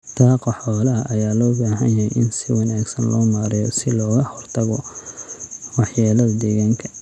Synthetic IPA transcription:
t̪ʰaːqɑħɔːlɐɐʔɐjaːlɔːbaːɦɐnjɐhɛjʔɪnsɪwɑnaːɡsɐnlɔːmaːɾɪjɔsɪlɔːɣɐhɔrt̪ʰɐɣɔ | wɑħjaːlɐðɐd̪ɛːɣaːŋkʰɐ

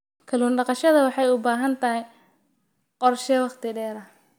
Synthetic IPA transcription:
kʰɐluːnɖɑqɑʃɐðɐwɑħɑjʊbaːɦɐnt̪ʰɐɦɛj | qɔrʃɛwɑqt̪ʰɪɖɛːɾɐ

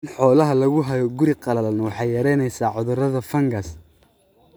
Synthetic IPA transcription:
nħɔːlɐɦɐlɐɣʊɦɐjɔɡʊɾiqɑlɐlɐnwɑħɑjjɐɾɛjnɛjsaːʕʊðʊrɐðɐfɐŋɡɐs

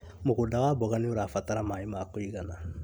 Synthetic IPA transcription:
moɡodaɡabɔɡaniuɾafataɾamaimakojiɡana̰

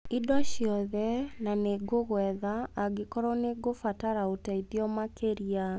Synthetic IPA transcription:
idɔɕjɔðɛnaneɡoɣwɛðaːɡekɔɾɔneɡofataɾaotaidiɔmakeɾia

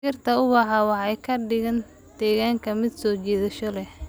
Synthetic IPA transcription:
ɪrt̪ʰɐʊβɐħɑwɑħɑjkʰɐɖɪɣɐn | d̪̥ɛːɣaːŋkʰɐmɪd̪sɔːt͡ʃɛːðɐʃɔlɛh

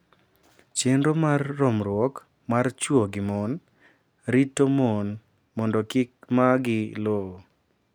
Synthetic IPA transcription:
t͡ʃenɾomarːɔmɾwɔk | mart͡ʃwoɡɪmɔn | ɾitːomon | mɔndɔkɪk̚maɡɪlo

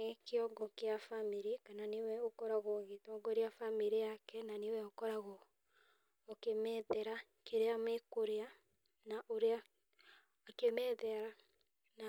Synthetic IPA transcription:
keɔɡɔkeafamiɾikananewɛokɔɾaɣɔɣetɔɡɔɾeafamiɾijakɛnanewɛɔkɔɾaɣɔ | kemɛðɛɾa | keɾeamekoɾea | naʔoɾeaː | kemɛðɛɾa | na

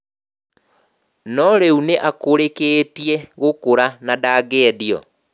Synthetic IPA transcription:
nɔɾeuneʔakoɾekeːtiɛɣokoɾanadaːɡɛːdiɔ̰

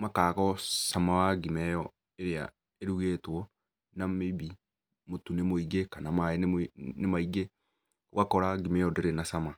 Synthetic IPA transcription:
makaːkɔsamawaɡimɛjɔ | eɾea̰ | eɾuɣeːtwɔ | namebi | motunemoiɡekanamaennemaiɡe | wakɔɾaɡimɛjɔdeɾenasama

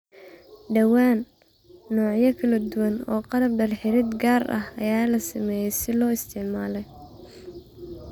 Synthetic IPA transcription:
ɖɐwaːnː | ɔːʕjɐkʰɐlɐd̪uwɐnɔ̰ːqɑɾɐbɖɐlħɪɾɪd̪ɡaːrɐ̰ɦɐ̰jaːlɐsɪmɛːjɛjsɪlɔːɪst̪ʰɪʕmaːlɛj

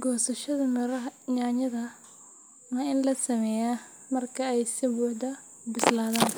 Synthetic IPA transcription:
ɡɔːsɐʃɐðɐmɪɾɐɦɐɲaːɲɐðɐ | waːɪnlɐsɐmɛːjaː | mɐrkʰɐɛjsɪbuʕd̪ɐ | bɪslaːðaːn

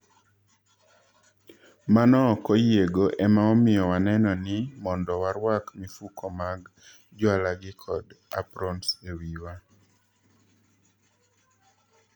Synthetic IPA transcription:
manɔkɔjeɡoʔɛmaɔmɪjɔwanɛnɔnɪmɔndɔwaɾwakmɪfukʰɔmaɡ | d͡ʒwalaɡɪkʰɔda̰pɾɔnsewiwa

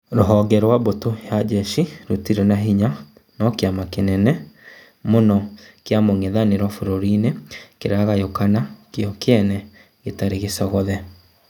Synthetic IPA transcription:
ɾoɦɔɡɛɾwaβotojad͡ʒɛʃiɾotiɾɛnaɦiɲa | nɔkeamakenɛnɛ | monɔkeamoŋeðaneɾwɔfoɾoɾinekeɾaɣajokanakjɔkeɛnɛ | ɣetaɾeɣesɔɣɔðɛ

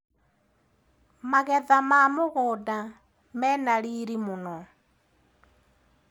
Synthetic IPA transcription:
maɣɛðamamoɣɔda | mɛnaliɾimunɔ

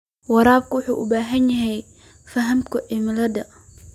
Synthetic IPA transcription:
wɑɾaːb̚kʊwʊħṵːʔʊbaːɦɐnjɐɦɛj | fɐɦɐmkʰʊʔɪmɪlɐd̪ɐ

